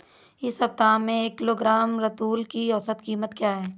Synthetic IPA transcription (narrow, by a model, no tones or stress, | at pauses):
ɪsɦɐp̚t̪aːmẽeːkːɪloːɡɾaːmɾɐt̪uːlkiɔːsət̪kiːmət̪kjaːɦɛː